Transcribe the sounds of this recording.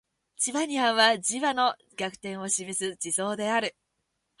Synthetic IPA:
t͡ɕiβaɲ̟iãɰ̃βad͡ʑiβano̞ | ɡʲakɯ̟̥t̪ẽ̞ɰ̃o̞ɕimesɨd͡ʑiso̞ːd̪e̞aɾɯ̟

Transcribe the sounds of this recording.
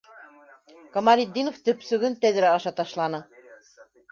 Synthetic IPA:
komɑlʲid̪ʲːinoft̪ɵ̆psɵ̆ɡɘnt̪æðɘɾæɑʃɑt̪ɑʃlˠɑnɤ

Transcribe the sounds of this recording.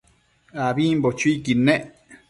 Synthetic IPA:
aβimbot͡ʃuikinẽʔ

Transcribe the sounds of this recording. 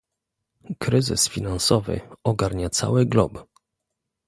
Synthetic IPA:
kɾɘzɘ̰sfʲinansɔvɘ̰ɔɡaɾɲat̪sa̰wɘɡlɔ̰b

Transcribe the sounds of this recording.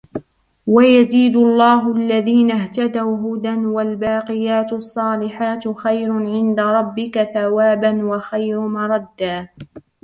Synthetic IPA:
wajaziːd̪ʊɑlˤːɑːɦʊʔalːaðiːnaht̪ad̪awɦʊd̪anwalbɑːqɪjaːt̪ɑsˤːɑːlɪħaːt̪xajɾʊʕɪnd̪aɾˤɑbːɪkaθawaːbanwaxajɾʊmɑɾˤɑd̪ːaː

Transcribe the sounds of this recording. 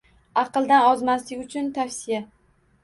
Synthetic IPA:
ɑqɨlˠd̪anɒzmaslɪɡʲʊt͡ʃʰʊnt̪ʰafsɪja

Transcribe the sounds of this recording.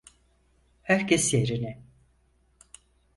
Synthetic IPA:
hæɾcʰesjeɾinɪ

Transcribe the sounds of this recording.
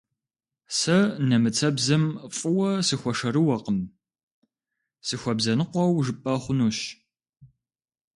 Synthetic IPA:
sɐnɐmɨt͡sʰɐbzɐmfʼɨwɐsɨxʷɔʂɐɾɨwɐqəm | sɨxʷɔbzɐnɨqʷɔwʒɨpʼːɐχʷʊnuːɕ

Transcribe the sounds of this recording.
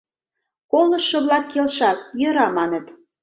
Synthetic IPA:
koləʃːɤ̆βlɑkːelʃɑt̪̚jɤ̆ɾɑmɑnə̆t̪

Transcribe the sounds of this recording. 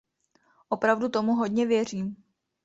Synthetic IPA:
ʔo̞pɾavdut̪o̞muɦo̞dɲɛvjɛr̝iːm

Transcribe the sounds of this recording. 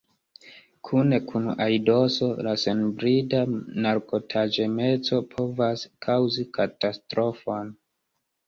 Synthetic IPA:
kʰune̞kʰuna̰jdo̞so̞lasenbɾidanaɾko̞tʰad͡ʒe̞me̞t͡so̞pʰo̞vaskʰawzikʰatastɾo̞fon

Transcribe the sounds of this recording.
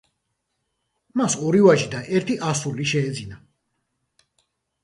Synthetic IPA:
masɔɾivaʒid̪aʔɛɾt̪ʰiʔasuliʃɛːd̪zina

